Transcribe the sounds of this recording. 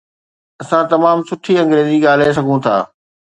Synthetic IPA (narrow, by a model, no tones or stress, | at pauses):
ɐsãt̪ɐmaːmsʊʈʰiɐ̃ŋɡɾeːziɠaːl̤es̬ɐɡʱũt̪ʰa̰ː